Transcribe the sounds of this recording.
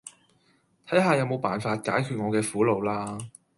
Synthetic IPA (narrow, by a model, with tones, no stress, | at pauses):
t̪ʰɐ˨˥jɦaː˨jɐ˨˧wmo˨˧wpaː˨nfaː˧t̚kaː˨˥jkʰyː˨˧t̚ŋɔː˨˧kɛː˧fuː˨˥lo˨wlaː˥